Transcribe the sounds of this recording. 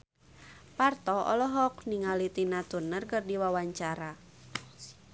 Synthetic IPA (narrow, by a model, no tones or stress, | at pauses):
part̪ɔɔ̰lɔɦɔk̚niŋalit̪inat̪unərkɨrdiwawaɲt͡ʃaɾa